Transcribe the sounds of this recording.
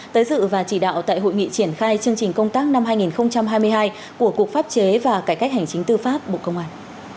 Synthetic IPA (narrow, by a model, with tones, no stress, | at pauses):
t̪əː˨˦jzɨ̰˧˨vaː˨˩t͡ɕi˧˩ɗa̰ː˧˨wt̪a̰ː˧˨jɦo̰˧˨jŋḭ˧˨t͡ɕi˧˩ənxaː˧jt͡ɕɨ˧əŋt͡ɕi˨˩ŋ̟kə˧wŋ͡mt̪aː˦˥k̚na˧mhaː˧jŋi˨˩nxə˧wŋ͡mt͡ɕa˧mɦaː˧jmɨ˧əjɦaː˧j | ku˧˩əku˨˩ək̚faː˦˥p̚t͡ɕe˨˦vaː˨˩kaː˨˩jka˦˥jk̚ha˨˩ŋt͡ɕï˨˦ŋ̟t̪ɨ˧faː˦˥p̚ɓo̰˧˨kə˧wŋ͡mhaː˧˩n